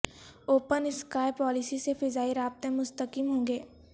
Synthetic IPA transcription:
oːpənɪskaːɪpɔːlɪsisefɪzaːiɾaːb̚t̪ẽmʊst̪əkimɦõːŋɡeː

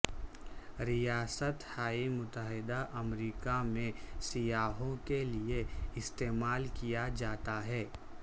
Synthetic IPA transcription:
ɾijaːsət̪haːimʊt̪əɦɪd̪aʔɐmɾiːkamẽsijaːɦõkelieɪst̪eːmaːlkijad͡ʒaːt̪aɦɛː

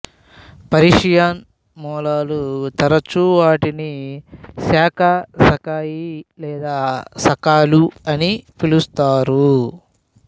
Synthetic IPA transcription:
pɐɾiʂjaːn | mɔːlaːlut̪ɐɾɐt͡ʃuʋaːʈini | saːkʰɐsɐkaːjilɛːd̪aːsɐkaːluɐnipʰilust̪aːɾu

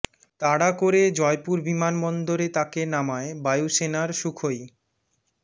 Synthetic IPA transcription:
t̪aɽakoɾed͡ʑɔepuɾbimanbɔnd̪oɾet̪akenamaebajusenaɾʃukʰoj

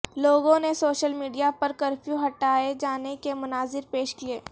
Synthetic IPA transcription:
loːɡõnesoːʃəlmiːɖijapɐɾkɐɾfjuɦɐʈaːed͡ʒaːnekemʊnaːzɪɾpeːʃkieː

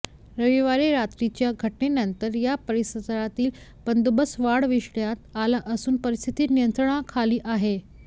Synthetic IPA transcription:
ɾəʋiʋaɾeɾat̪ɾit͡ɕjaɡʱəʈnenənt̪əɾjapəɾisəd̪ɾat̪iːlbənd̪ubəsʋaɽʋiʂɳjat̪alaʔəsuːnpəɾist̪ʰi̥t̪iːnijənt̪ɾəɳ̃akʰaliːʔaɦe

